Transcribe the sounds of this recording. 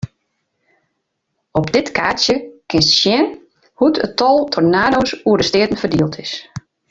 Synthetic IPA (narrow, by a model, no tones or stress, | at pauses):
ɔpdɪtkʰaːsjəkɪnstʃjɛn | hutʰətʰɔlˠtʰɔrnaːdoːsuədəstɪətən̩fərdiəlˠtʰɪs